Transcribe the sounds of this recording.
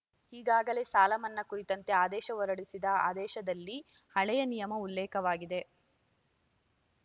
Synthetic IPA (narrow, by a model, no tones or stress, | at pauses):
hiːɡaːɡɐle̞ːsaːlɐmɐnːɐkuɾit̪ɐnt̪e̞aːd̪ɛːʃɐʋɔɾɐɽisid̪ɐa̰ːd̪ɛːʃɐd̪ɐlːi | hɐɭɛjɐnijɐmɐulːɛːkɐʋaːɡid̪e̞